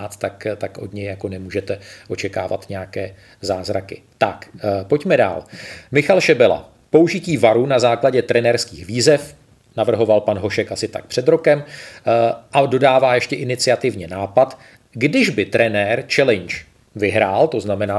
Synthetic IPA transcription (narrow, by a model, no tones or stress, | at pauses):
at̪t̪akt̪akʔo̞dɲɛjjako̞nɛmuːʒɛt̪ɛʔo̞t͡ʃɛka̰ːva̰t̪ɲɛjakɛː | zaːzɾakɪ̰ | t̪akpo̞cmɛda̰ːlmɪxalʃɛbɛla̰ | po̞uʒɪciːvaɾunazaːklaɟɛt̪ɾɛnɛɾskiːxviːzɛf | navr̩ɦo̞valpanɦo̞ʃɛkʔasɪt̪a̰k̚pr̥ɛd̪ɾo̞kɛm | ʔado̞daːvaːjɛʃcɛʔɪnɪt͡sɪat̪ɪvɲɛnaːpat̪ | ɡdɪʒbɪt̪ɾɛnɛːɾt͡ʃɛlɛnt͡ʃ | vɪɦɾaːlt̪o̞znamɛnaː